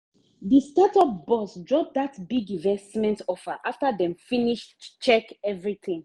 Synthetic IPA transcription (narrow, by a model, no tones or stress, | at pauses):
ðistatɔbɔsdɹɔp̚datbiɡĩnvɛstmɛ̃ntɔfəʔaftəðɛ̃mfiniʃtu̥t͡ʃɛkɛvɹiθĩŋ